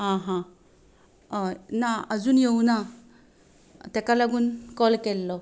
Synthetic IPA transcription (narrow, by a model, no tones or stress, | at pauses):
ɦãɦã | naəd͡zuːnjeuna | t̪ɛkalaɡuːnkɔlkɛlːɔ